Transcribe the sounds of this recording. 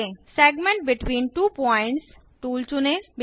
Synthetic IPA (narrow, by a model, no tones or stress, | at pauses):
ẽsɛɡmɛ̃ɳʈ̚bɪʈʋĩːnʈuːpɔ̃ɪ̃ɳʈs | ʈuːlt͡ʃunẽb